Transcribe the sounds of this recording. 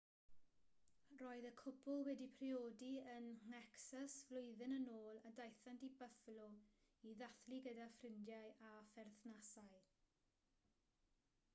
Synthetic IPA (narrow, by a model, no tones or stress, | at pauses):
roːɨðəkʰʊpʰʊlˠwɛdipʰrioːdiənŋɛksasvlʊɨðɪnənoːlˠadajθantibəflu | iðaθliɡədafrɪndjaɨʔafɛrθnasaɨ